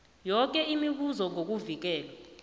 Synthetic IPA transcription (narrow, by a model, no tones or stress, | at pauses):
jɔk̬ʼɛimiɓ̬uzɔŋʱok̬uvik̬ɛːlwa